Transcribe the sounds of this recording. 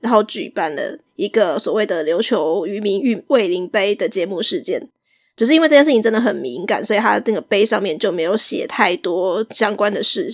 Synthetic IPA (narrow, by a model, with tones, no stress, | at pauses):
ɻa˧˦nxo˥˩ʊt͡ɕy̰˨˩pa˥˩nlə̰˩ | i˧˥ɡə˨swɔ˨˩we˥˩ɪd̪ə˨˩ljo˧˥ʊt͡ɕʰjo˧˥ʊy˧˥mi˧˥ŋy˥˩we˥˩ɪli˧˥ŋpe˥ɪd̪ə˨t͡ɕjɛ˧˥mu˥˧ʂɻ̩˥˧t͡ɕjɛ˥n | t͡ɕjo˥˧ʊʂ̩ɻ̩˥˧i˥nwe˥˧ʈ͡ʂjʂ̩˥˩t͡ɕʰi˨˩˧ʈ͡ʂə˥nd̪ə˨˩xə˨˩nmi˧˦˥ŋka̰˨˩nswɔ˧˥i˨˩t̪ʰa˦˩nə˥˩ɡə˩pe˥ɪʂɑ˥˧ŋmjɛ˥˨nt͡ɕjo˥ʊme˧˥ɪjo˧˥ʊɕjɛ̰˨˩t̪ʰa˥˩ɪt̪wɔ˥ɕjɑ˥ŋkwa˦nd̪ə˨ʂɻ̩˥˩